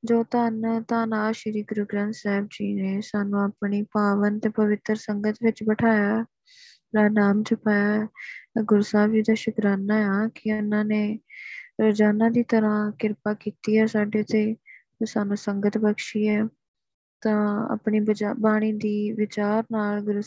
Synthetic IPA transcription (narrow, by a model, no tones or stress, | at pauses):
d͡ʒoːt̪aːnt̪ãːnaːʃɪɾiːɡɾuːɡɾãːnt̪sɛːb̚d͡ʒiːneːsaːnũːapɳiːpaːʋənt̪eːpəʋɪt̪ɾsəŋɡət̪ʋɪt͡ʃbəʈʰaːjaː | ɾaːnaːmt͡ʃəpaːjaː | ɡʊɾsaːbd͡ʒiːd̪aːʃʊkɾaːnaːaːkɪʊnãːneː | ɾəd͡ʒaːnãːd̪iːt̪əɾãːkɪɾpaːkiːt̪iːɛːsaːɖeːt̪eː | saːnũːsəŋɡət̪bəkʃiːɛː | t̪ãːa̰ːpɳiːbəabaːɽ̃iːd̪iːʋɪt͡ʃaːɾnaːlɡʊɾ